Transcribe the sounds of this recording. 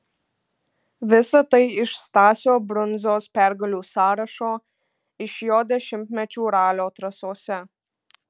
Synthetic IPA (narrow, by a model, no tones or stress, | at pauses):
ʋʲɪsɐt̪ɐɪɪʃst̪ɑːsʲoːbɾʊnzoːspʲæɾɡɐlʲuːsɑːɾɐʃoː | ɪʃjoːd̪ʲɛʃʲɪmʲt̪ʲmʲɛt͡ʃʲuːɾɑːlʲoːt̪ɾɐsoːsʲɛ